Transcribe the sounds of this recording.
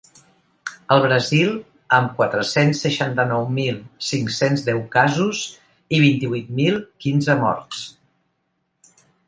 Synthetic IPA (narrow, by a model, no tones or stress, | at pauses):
əlˠβɾəzilˠ | əmkwat̪ɾəsensːəʃant̪ənɔwmilˠsiŋksenzðɛwkazuz | iβ̞int̪iβuit̪̚milˠkinzəmɔ̰rt̪s